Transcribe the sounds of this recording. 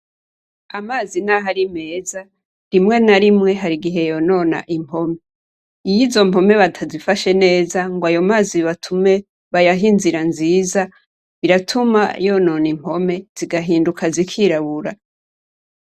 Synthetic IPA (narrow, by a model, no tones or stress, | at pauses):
amaːzinaɦaɾime̞ːza | ɾimŋe̞naɾimŋe̞ɦaɾiɡiɦe̞jo̞no̞na̰ʔim̥pʰo̞me̞ | ijizo̞m̥o̞me̞βatʰazifaʃe̞ne̞ːzaŋɡwajo̞maːziβatʰume̞ | βajaɦinziɾanziːza | βiɾatʰuma̰jo̞no̞nim̥ho̞me̞z̥iɡaɦiːndukʰazikʰiɾaβuɾa